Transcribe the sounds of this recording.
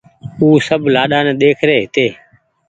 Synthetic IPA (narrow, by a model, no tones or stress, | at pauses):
uːsəbʱlaːɗaːnɛ̃ːɗ̪eːkʰɾeːɦɪt̪eː